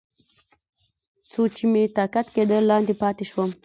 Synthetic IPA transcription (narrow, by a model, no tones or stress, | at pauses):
t͡sot͡ʃimet̪ɑkat̪ked̪əlːɑnd̪epɑt̪eʃwəm